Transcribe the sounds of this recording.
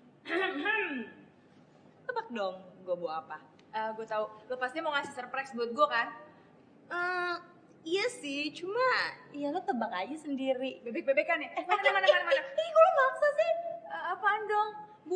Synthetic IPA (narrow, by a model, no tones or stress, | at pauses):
t̪əbak̚dɔŋɡuabuapa | ʔəɡuat̪aulopast̪iɲmɔŋasɪsərpɾɛsbuʊt̪̚ɡuakan | ʔə | ijasɪht͡ʃumaijalot̪əbakaɲasəndiɾibebɛk̚bebekːanɛmaanamanamanamanaɡuamaŋsasɪhəapandɔŋ | b